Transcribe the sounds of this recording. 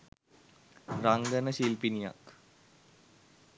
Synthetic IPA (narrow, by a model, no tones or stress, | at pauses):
raŋɡənəɕiːlpinija̰k